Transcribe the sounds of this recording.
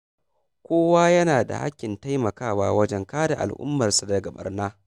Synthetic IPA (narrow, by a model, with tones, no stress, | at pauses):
kʷoː˦waː˦jɐ˦naː˨da̰˨ha̰˦kʲːɪ˨nta˦jmɐ˨kaː˦˨waː˦wɐ˦d͡ʒɛ˦ŋkaː˦da̰˨ʔa̰˨lʔʊ̰˦mːɐ˨rsa˨dɐ˨ɡɐ˨ɓɐ̰˦rnaː˦